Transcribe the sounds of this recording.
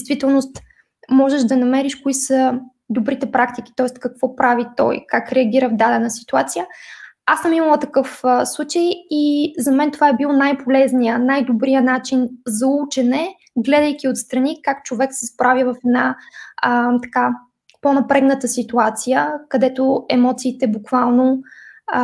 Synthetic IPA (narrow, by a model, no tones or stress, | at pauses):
d̪ɛjst̪v̥it̪ɛlˠnost̪ | mɔʒɛʒd̪ɐnɐmɛɾiʃkʊisə | d̪obɾit̪ɛpɾakt̪iki̥t̪ɔɛst̪kɐkv̥ɔpɾʔavit̪ɔ̰jkakɾɛəɡ̟ʲiɾəvd̪ad̪ɛnəsi̥t̪uat̪sijəasəmiməlˠət̪ɐkɤfslˠut͡ʃəjizɐmɛnt̪ovaɛbilˠnajpolɛznijənajd̪obɾijənat͡ʃinzɐut͡ʃɛnɛ | ɡlɛd̪əjkʲiot̪st̪ɾɐnikak̚t͡ʃovɛksɛspɾavivɐfɛd̪na | t̪ɐ̥ka | ponɐpɾɛɡnət̪əsit̪uat̪sijəkɐd̪ɛt̪oɛmɔt̪siːt̪ɛbukvalˠno